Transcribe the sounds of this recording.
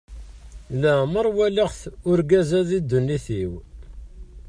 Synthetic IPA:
læməɾˤwæliʁθʊɾɡæzæðid̪ːunːiθiw

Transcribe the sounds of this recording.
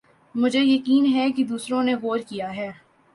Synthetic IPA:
mʊd͡ʒʱejɐkiːnɦɛkid̪uːsɾõneɣoːɾkijaɦɛː

